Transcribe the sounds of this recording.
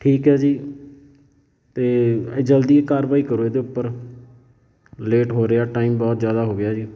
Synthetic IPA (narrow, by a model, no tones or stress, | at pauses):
ʈʰiːkɦɛːd͡ʒiː | t̪eːeːd͡ʒəld̪iːekaːɾʋaːiːkəɾoːeːd̪eːʊpːəɾ | leːʈɦoːɾeaːʈaːiːmbɔːt̪zjaːd̪aːɦoːɡɪjaːd͡ʒiː